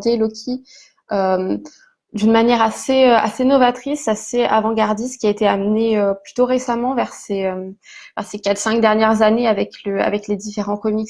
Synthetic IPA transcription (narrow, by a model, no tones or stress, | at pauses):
d̪jelɔkʲʰi | øm | d̪ynmanjɛʁaseøa̰senɔvat̪χisasea̰vɑ̃ɡaʁd̪ist̪kʲiaet̪eamneøplyt̪oʁesamɑ̃vɛʁseøm | vɛ̰ʁsekat̪χsɛ̃k̚d̪ɛʁnjɛʁzaneavɛkləa̰vɛkled̪ifeʁɑ̃kɔmik